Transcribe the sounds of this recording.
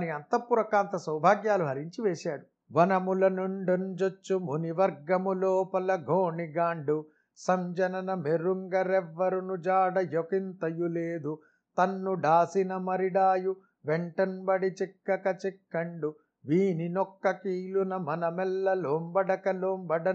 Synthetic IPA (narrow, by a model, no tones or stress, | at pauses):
niɐnt̪ɐpːuɾɐkaːnt̪ɐsɐwbʱaːɡjaːluɦɐɾiɲt͡ʃiʋeːʃaːɽu | ʋɐnɐmulɐnoɳɖɐnd͡ʒot͡ʃːumuniʋɐɾɡɐmuloːpɐlɐɡʱoːɳiɡaːɳɖu | sɐmd͡ʒɐnɐnɐmeɾuŋɡɐɾɛʋːɐɾunud͡ʒaːɽɐjokint̪ɐjuleːd̪u | t̪ɐnːuɖaːsinɐmɐɾiɽaːju | ʋɛɳʈɐnbɐɽit͡ʃikːɐkɐt͡ʃikːɐɳɖu | ʋiːninɔkːɐkiːlunɐmɐnɐmɛlːɐloːmbɐɖɐkɐloːmbɐɖɐ